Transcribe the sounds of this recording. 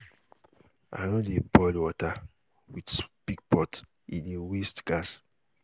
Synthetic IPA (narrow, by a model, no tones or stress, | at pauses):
a̰nɔ̃debɔlwɔta | widpiɡ̚pɔt | ĩniwestɡ̥as